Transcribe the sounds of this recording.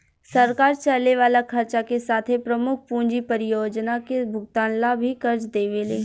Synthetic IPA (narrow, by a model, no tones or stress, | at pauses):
sɐɾkaːɾt͡ʃɐlːeʋaːlakʰɐɾt͡ʃakesaːt̪ʰepɾɐmʊk̚ʰpũːɲd͡ʒipɐɾɪjoːd͡ʒnakebʱʊɡt̪aːnlabʱikɐɾt͡ʃd̪eːʋeleː